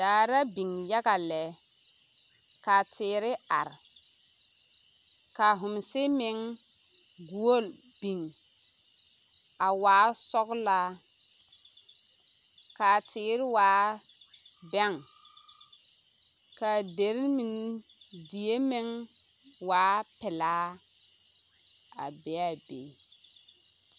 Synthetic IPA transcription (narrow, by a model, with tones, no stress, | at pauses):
daː˨ɾa˦bi˨ŋja˦ɡa˨lɛ˨˦ | ka˨tʰɪː˨˦ɾɪ˦a̰˨ɾ | ka˨ɦʊ˨msɪ˦mɪ˨ŋ | ɡu˨˦o˦˨l | bi˨ŋ | a˨waː˨˦sɔ˦ɡla˦ | ka˨tʰɪː˨˦ɾɪ˦waː˨˦ | bɛ˦ŋ | ka˨de˨ɾmi˨n | di˨je˦mɪ˦ŋ | waː˨˦pɪ˨laː˦ | a̰˨bɛ˨˦a˨bḛ˨